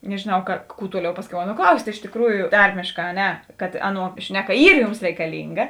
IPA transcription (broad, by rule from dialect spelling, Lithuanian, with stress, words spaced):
nʲɛʒʲeːˈnɐʊ kɐ kuː ˈtuɔˌlʲɛʊ ˈpɑːsʲˌkʲɛʊ ˈɑːˌnuɔ ˈklˠɐʊsʲtʲ ɪʃ tʲeːkˈruːjʊ ˈtɐrʲmʲeːʃˌkɑː ɐ ˈnʲɛ kɐt ˈɑːˌnuɔ ˈʃʲnʲæːˌkɐ ˈiːr ˈjuːms rʲɛɪkɐˈlʲiːŋɡɐ